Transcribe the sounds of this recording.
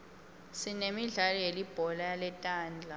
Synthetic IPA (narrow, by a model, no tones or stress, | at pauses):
sinemiɮalɔjelib̥ʱɔlajalɛtʼaːnd͡ɮʱa